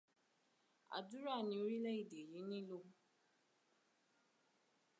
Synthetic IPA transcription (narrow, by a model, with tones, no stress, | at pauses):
a̰˨du˦ɾa˦˨ni˨o˦ɾi˦le˦i˨de˨ji˨˦nĩ˦lo˦